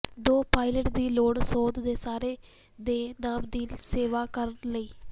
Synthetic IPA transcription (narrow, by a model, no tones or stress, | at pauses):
d̪oːpaːɪləʈd̪iːloːɽsoːd̪d̪eːsaːɾeː | d̪eːnaːmd̪iːseːʋaːkəɾnləiː